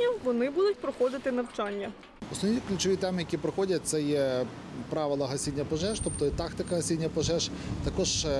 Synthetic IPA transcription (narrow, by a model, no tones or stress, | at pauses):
ɐʋɔnɪbud̪ʊt̚ʲpɾɔxɔd̪ɪt̪ɪnɐwt͡ʃɑnʲːɐ | ɔsnɔʋnʲiklʲʊt͡ʃɔʋʲit̪ɛmɪjɐkʲipɾɔxɔdʲɐt̚ʲt̪sɛjɛ | pɾɑʋɪlˠɐɦɐsʲinʲːɐpɔʒɛʃt̪ɔpt̪ɔit̪ɑkt̪ɪkɐɦɐsʲinʲːɐpɔʒɛʒt̪ɐkɔʒ